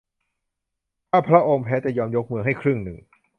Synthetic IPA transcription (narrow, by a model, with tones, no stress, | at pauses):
p̪ʰaː˥˩pʰɾa˦˥ʔo˧mpʰɛː˦˥t͡ɕɛː˨˩jɔː˧mjo˦˥k̚mɯ˧ɦa˥˩jkʰɾɯ˥˩ŋnɯ˨˩ŋ